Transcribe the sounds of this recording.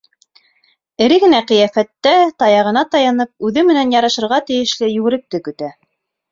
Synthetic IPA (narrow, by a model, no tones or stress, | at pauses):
ɘ̆ɾɘɡɘ̆næqɤ̆jæfæt̪ːæt̪ɑjɑʁɤ̆nɑt̪ɑjɑnɤp̚ʉðɘmɘ̆nænjɑɾɑʃɤ̆ɾʁɑt̪ɘ̆jɘ̆ʃlɘjʉɡɘ̆ɾɘ̆k̚t̪ɘkɵ̆t̪æ